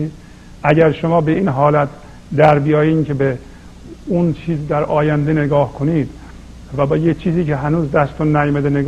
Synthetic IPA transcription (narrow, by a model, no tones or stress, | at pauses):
ʔæɟæɾʃomɒːbe̞iːnɦɒːlæt̪ʰ | d̪æɾbijɒːjiːnkʰebe | unt͡ʃʰiːzd̪æɾɒːjænd̪ene̞ɡɒːhkʰoniːd̪ | væbɒjet͡ʃʰiːziːkʰeɦænuːzd̪æst̪onːæjomæd̪eneɡ